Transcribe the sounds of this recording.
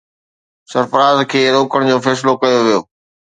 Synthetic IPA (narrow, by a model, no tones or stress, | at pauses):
sɐɾpəɾaːzkʰeːɾoːkəɽ̃d͡ʑoːfɛːsɪlokɐjoʋijoː